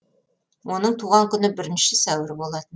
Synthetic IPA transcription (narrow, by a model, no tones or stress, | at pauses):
wʔo̞nəɴt̪ʰuʁɑŋkʲʰʏnɪbɪɾɪnʃɪsæwɪɾbo̞lˠɑt̪ən